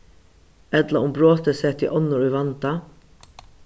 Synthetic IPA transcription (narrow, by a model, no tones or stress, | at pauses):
ɛt̪laʊmbɾoːt̪əsɛt̪ʰɪʔɔnːʊɾujʋant̪a